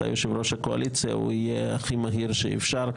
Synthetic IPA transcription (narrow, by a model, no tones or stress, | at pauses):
a̰joʃevɾo̞ʃakoa̰lʔit͡sija̰ṵijeaχimaɦiɾʃḛḭfʃaʁ